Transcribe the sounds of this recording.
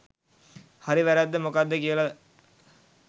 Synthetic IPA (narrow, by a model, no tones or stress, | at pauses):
hɐɾiʋæɾæd̪ːəmukad̪ːəkijəlɐ